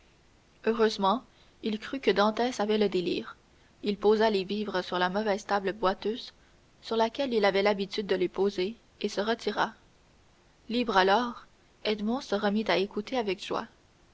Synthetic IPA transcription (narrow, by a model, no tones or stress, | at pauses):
øʁøzmɑ̃ | ilkχykəd̪ɑ̃t̪ɛːsavɛləd̪elḭːʁ | ilpozaleviːvʁəsyʁlamɔvɛz̥t̪abləbwat̪øːz̥ | syʁlakʲɛlilavɛlabit̪yd̪̚ːəlepoze | esəʁət̪iʁa | liːbʁalɔːʁ | ɛd̪mɔ̃səʁəmit̪aekut̪eavɛkʒ̥wa̰